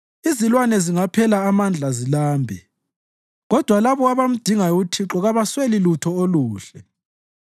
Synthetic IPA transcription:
izilwanɛziŋapʰɛlaːmand͡ɮʱazilaːmbʱɛ | ɣɔd̥ʱwalaβɔaβam̩d̥ʱiŋajutʰiǁɔɣaβaswelilutʰɔoluːɬɛ

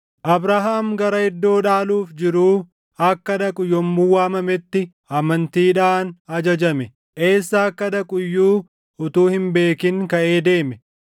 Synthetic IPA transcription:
ʔɐbɾaɦaːmɡɐɾɐɪd̪ːo̞ːᶑaːluːfd͡ʒɪɾuː | ɐkːɐd̪ɐkʼʊjːɔmːuːwaːmɐmɛt̪ːɪ | ɐmɐnt̪iːᶑaːnɐd͡ʒɐd͡ʒɐmɛ | ʔe̞ːsːaɐkːɐd̪ɐkʼʊjːuː | ʊt̪uːhɪmbe̞ːkɪŋkɐʔe̞ːd̪e̞ːmɛ

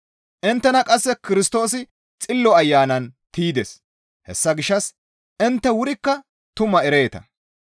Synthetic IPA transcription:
ʔɪnt̪ːɛnɐkʼɐsːɛkɪɾɪst̪o̞ːsɪ | t͡sʼɪlːɔɐjːaːnɐnt̪iːd̪es | hɛ̰sːɐɡɪʃːɐs | ʔɪnt̪ːɛwʊɾɪkːɐ | t̪ʊmɐɛɾeːt̪ɐ̰

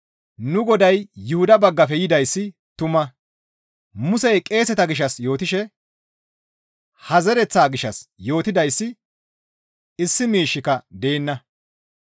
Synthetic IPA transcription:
nʊɡɔd̪ɐjːʊhʊd̪ɐbɐɡːɐfɛjɪd̪ɐjsːɪ | t̪ʊmɐ | mʊsɛjkʼe̞ːsɛt̪ɐɡɪʃ̬ɐsjo̞ːt̪ɪʃɛ | hɐzɛɾɛt͡sːaːɡɪʃɐsjo̞ːt̪ɪd̪ɐjsːɪ | ɪsːɪmiːʃːɪkɐd̪e̞ːnːɐ

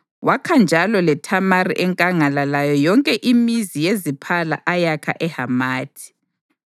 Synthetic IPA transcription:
wakʰand͡ʒʱalɔlɛtʰamariʔɛŋkʼaŋalalajɔjɔŋkʼɛʔimizijezipʰala̰ʔajakʰa̰ʔɛhamaːtʰi̥

